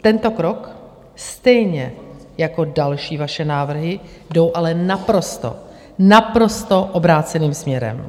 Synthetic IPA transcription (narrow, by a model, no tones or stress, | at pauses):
t̪ɛnt̪o̞kɾo̞k | st̪ɛjɲɛjako̞dalʃiːvaʃɛnaːvr̩ɦɪ | do̞wʔalɛnapɾo̞st̪o̰ | napɾo̞st̪oʔobɾaːt͡sɛniːmsmɲɛɾɛ̰m